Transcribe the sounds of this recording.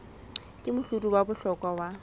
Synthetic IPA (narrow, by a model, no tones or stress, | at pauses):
kʼɪmʊɬutʼubabʊɬɔkʼwawa